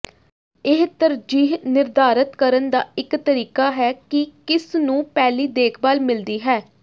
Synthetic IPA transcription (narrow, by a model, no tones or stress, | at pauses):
ɪɦt̪əɾd͡ʒiːɦnɪɾd̪aːɾət̪kəɾənd̪a̰ːɪkt̪əɾiːkaːɦɛːkɪkɪsnũːpɛːliːd̪eːkʰbaːlmɪld̪iːɦɛː